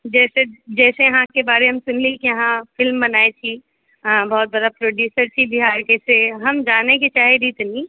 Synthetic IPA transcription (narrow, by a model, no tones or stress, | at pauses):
d͡ʒɛːsed͡ʒɛːsejɐɦãkebaːɾeɦɐmsʊnliikejɐɦãfɪlmbɐnaːet͡ʃʰi | bɔːɔt̪̚bɐd̪apɾoːɖjuːsəɾt͡ʃʰibʱɪɦaːɾkɛːseɦɐmd͡ʒaːneket͡ʃaːɦed̪it̪nĩː